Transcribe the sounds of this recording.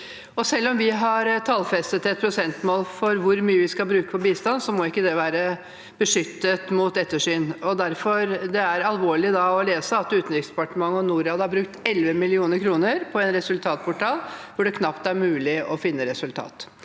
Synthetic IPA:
ɔsɛlːɔmʋɪɦɑɾt̪ʰɑːlfɛst̪ət̪ɛt̪̚pʰɾʊsɛnt̪moːlfɔɾʋʊɾmyːəʋɪskɑlbɾʉːkə̥pɔbiːst̪ɑnsɔmɔɪkːəd̪ɛʋæːɾə | b̥əʂʏt̪ːət̪mʊt̪ɛt̪ːəʂyːnɔd̪æɾfɔɾd̪ɛæɾɑlʋoːɭɪd̪ɑɔleːsəɑt̪ʉːt̪n̩ɾɪksd̪ɛ̥pɑʈəmɑŋːəɔnuːɾɑːd̪əhɑɾbɾʉk̚t̪ɛlʋəmɪlɪuːnəɾkʰɾuːnəɾpʰɔɛnɾɛsʉlt̪ʰɑːt̪̚pʰʊʈʰɑːlʋʊɖɛkʰnɑpt̪æɾmʉːlɪɔfɪnːəɾɛsʉlt̪ʰɑ̰ːt̪

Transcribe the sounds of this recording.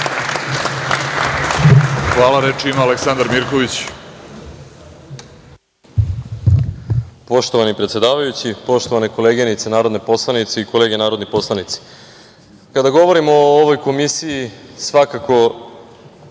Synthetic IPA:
xʋaːlˠaɾet͡ʃiimaaleksand̪aɾmiɾko̞ʋit͡ɕ | po̞ʃt̪o̞ʋanipɾet̪sje̞d̪aːʋajut͡ɕipo̞ʃt̪o̞ʋanekoleːɡenit̪senaːɾo̞d̪nepo̞slˠanit̪seikole̞ːɡenaːɾo̞d̪nipo̞slˠanit̪si̥ | kad̪aɡo̞ʋo̞ɾimooʋojko̞misijisʋakako̞

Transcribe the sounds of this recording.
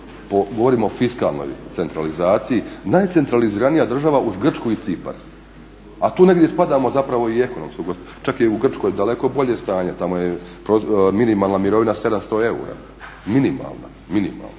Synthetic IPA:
poɡoʋo̞ɾiːmoofiska̰lˠno̰jt̪se̞nt̪ɾalizaːt̪sijinajt̪se̞nt̪ɾaliziɾanijad̪r̩ʒaʋaʔuzɡr̩t͡ʃkuit̪sipa̰ɾ | at̪uːne̞ɡd̪ʲje̞spad̪amo̞zapɾaʋo̞ie̞ko̞no̞̰mskoɡos | t͡ʃakjeuɡr̩t͡ʃko̞jd̪ale̞ko̞bo̞ʎe̞st̪aːɲe̞t̪amojepɾominimaːlˠnamiɾo̞ʋinase̞d̪amst̪o̞e̞ṵɾa̰ | minima̰lˠna̰ | minḭma̰lˠno

